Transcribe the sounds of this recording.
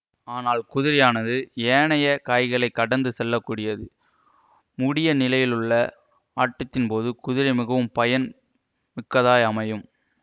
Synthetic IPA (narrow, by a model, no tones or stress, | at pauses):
aːnaːlkʊðɪɾɪjaːnɐðɯeːɳɐjɐkaːjɣɐɭɐɪkːɐɽɐnd̪ɯsɛlːɐkːuːɽɪjɐðɯ | mʊɽɪjɐnɪlɐjɪlɯɭːɐ | aːʈːɐt̪ːɪnpoːðɯkʊðɪɾɐɪmɪɣɐʋɯmpɐjɐn | mɪkːɐðaːjɐmɐjɯm